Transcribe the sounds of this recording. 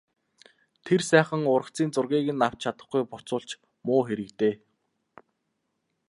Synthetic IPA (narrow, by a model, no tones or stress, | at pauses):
t̪ʰersæːχə̆ŋʊɾə̆kt͡siːnt͡sʊrɣʲiːɣɘ̆nːaw̥t͡ɕʰat̪ə̥̆χɡujpʊt͡sʊːɮt͡ɕ | mʊːxeɾɘ̆kt̪eː